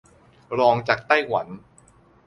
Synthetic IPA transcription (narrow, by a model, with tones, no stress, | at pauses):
ɾɔː˧ŋt͡ɕaː˨˩k̚t̪a˥˩jwa˩˦n